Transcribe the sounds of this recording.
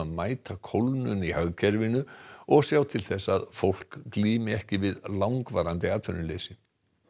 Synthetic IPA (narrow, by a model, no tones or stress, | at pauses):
aðmaːjt̪ʰakʰowlnʏnihœɣcʰɛɾvɪnʏɔɣsjaːwt̪ʰɪlθɛsːaðfowl̥kːliːmɪɛhcɪvɪðlawŋkvaːɾant̪ɪaːt̪ʰœnʏlejsɪ